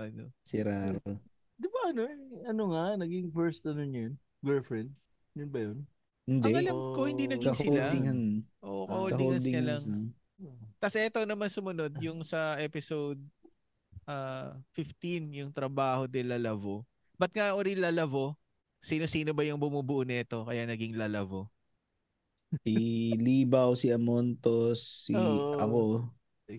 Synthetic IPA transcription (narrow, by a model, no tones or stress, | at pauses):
ʔɐnosɪɾaɾ | d̪ɪbaɐnoɐnoŋanɐɡɪŋfɛɹst̪ɐnonjon | ɡɛlfɹɛnd̪̚ | jʊnbɐjon | hɪnd̪ɐɛɐlɐmkohɪ̃nd̪inɐɡsɪlaɪŋɐŋʔo̰ʔkɐolɐold̪ɪɐlɐŋ | ot̪ɐsʔɛt̪ownɐmansʊmɐno̞d̪jʊŋsɐʔɛːpɪsowd̪̚ | ʔaːfɪft̪injʊŋt̪ɾɐbaːho̞d̪ɛlːɐlɐvo | bɐt̪̚ŋaʔoɾilɐlɐvo̞ | siːno̞siːno̞bɐjʊŋbʊmubʊʔʊnɛt̪o̞kɐjanɐɡiŋlɐlɐvo | siliːbɐwsiɐmont̪osːiʔɐko